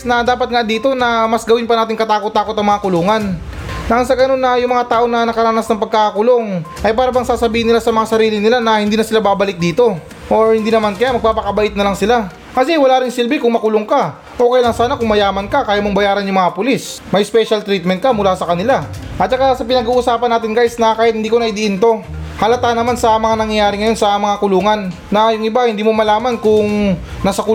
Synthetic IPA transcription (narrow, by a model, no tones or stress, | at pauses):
snɐd̪aːpɐt̪̚ŋad̪iːt̪o̞nɐmɐsɡɐwɪnpɐnaːt̪ɪŋkɐt̪aːkot̪ːaːkot̪ɐŋmɐŋakʊloːŋɐnː | ɐʔɐns̬ɐɡɐno̞nːɐjʊŋmɐŋat̪aːʔo̞nɐnɐkɐɾanasnɐŋpɐɡ̚kakakʊlo̞ŋʔɐjpaːɾɐbɐŋsaːsɐbiːhɪnɪlasɐmɐŋasɐɾiːlɪnɪlanɐhɪnd̪iːnɐsɪlabaːbɐlɪk̪̚d̪iːt̪o̞ | ʔoɹhɪnd̪iːnɐmankɐjamɐɡ̚paːpɐkɐbɐlɪt̪̚nɐlɐŋsɪla | kɐsɛwɐlaːɾɪŋsɪlbɪkʊŋmɐkʊloŋka | ʔo̞ːkɐjlaŋsaːnakʊŋmɐjaːmɐnkɐkaːjamoŋbɐjaːɾɐnjʊŋmɐŋapʊlismɐjspɛʃɐlt̪ɾit̪̚mɛnt̪̚kɐmʊlasɐkɐnɪlaʔɐt̪̚t͡ʃɐkasɐpɪnɐɡuːʔʊsaːpɐnaːt̪ɪnɡajsnɐkaːhjɪt̪̚hɪnd̪iːkonɐʔɪd̪iʔɪnt̪o̞hɐlɐt̪anɐmansɐmɐŋanɐŋjaːɾɪŋɐjo̞nsɐmɐŋakʊluːŋɐnː | ɐjʊŋʔɪbahɪnd̪iːmomɐlaːmɐnkʊŋnɐsɐkʊ